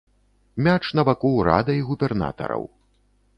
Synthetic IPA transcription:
mʲat͡ʂnɐvakuwɾa̰d̪ɐiɣubʲɛrna̰t̪ɐ̰ɾɐ̰w

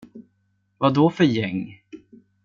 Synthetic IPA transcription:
vad̪ɔfœɾjɛŋː

